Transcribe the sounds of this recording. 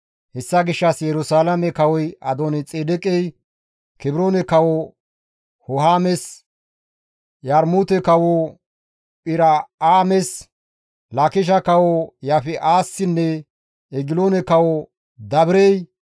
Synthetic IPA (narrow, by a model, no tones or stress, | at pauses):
hɛsːɐɡɪʃːɐsjɛɾʊsaːlɐmɛkɐwɔjɐd̪onɛt͡sʼeːd̪ɛkʼɛj | kɪbɾoːnɛkɐwɔ | hɔɦaːmɛs | jɐɾmut̪ɛkɐwo | pʼɪɾɐaːmɛs | lɐkɪʃ̬ɐkɐwojafɛʔaːsːɪnːɛ | ɛɡɪloːnɛkɐwɔ | d̪ɐbɾej